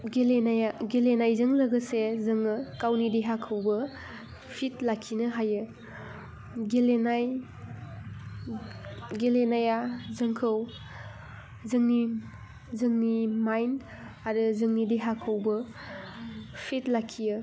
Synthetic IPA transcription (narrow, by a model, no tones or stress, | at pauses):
ɡelenajaɡelenajzɯŋlɐɡɯsezɯŋɯkawnideɦakʰɯwbɯ | pʰit̚lakʰinɯɦajɯ | ɡelenaj | ɡelenajazɯŋkʰɯw | zɯŋni | zɯŋnimajn | aɾɯzɯŋnideɦakʰɯwbɯ | pʰit̚lakʰːijɯ